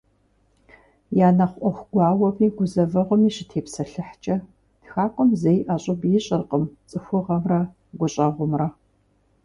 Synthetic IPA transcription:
jaːnɐχʷʔʷɔxʷɡ̥ʷɑːwɐpʰiːɡʷʊzɐvɐʁʷʊmiːɕɪtʰeːpsɐɬɨħt͡ʃʼɐ | txaːkʷʼɔmzejʔaːɕʼɪbjɪɕʼɪrqʼəmt͡sʼɨxʷʊʁɐmrɐ | ɡʷʊɕʼɐʁʷʊmrɐ

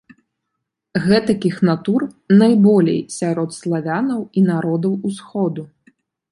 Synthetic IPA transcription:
ɣɛt̪ɐkʲixnat̪ur | najbɔlʲḛjsʲaɾɔt̪slˠavʲanɐwinaɾɔd̪ɐwusxɔd̪u

